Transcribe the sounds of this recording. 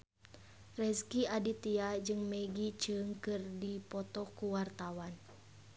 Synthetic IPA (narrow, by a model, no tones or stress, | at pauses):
rɛskiadit̪iad͡ʒɨŋmɛɡit͡ʃəŋkɨrdipɔt̪ɔkuwart̪awan